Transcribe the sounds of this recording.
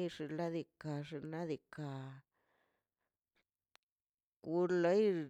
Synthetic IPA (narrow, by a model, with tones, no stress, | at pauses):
ʐi˨la˦d̪i˨ka˨ʐi˧na˦d̪i˨ka˨ | ku˧˦ɾle˦j